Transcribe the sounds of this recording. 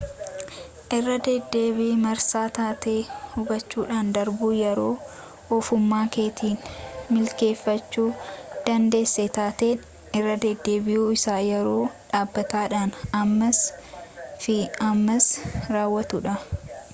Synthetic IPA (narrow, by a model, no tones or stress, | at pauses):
ʔɪrːɐd̪ɛd̪ːe̞ːbiːmɐɾsaːt̪aːt̪eːhʊɡɐt͡ʃːuːᶑaːnd̪ɐɾbuːjɛɾo̞ː | ɔfʊmːaːke̞ːt̪ʰiːnmɪlke̞ːfːɐt͡ʃːuːd̪̥ɐnd̪e̞ːsːet̪aːt̪eːn | ɪrːɐd̪ɛd̪ːe̞ːbɪjuːɪsaːjɛɾo̞ːᶑaːbːɐt̪aːᶑanɐmːɐs | fɪɐmːɐsɾaːwːɐt̪ʊᶑɐ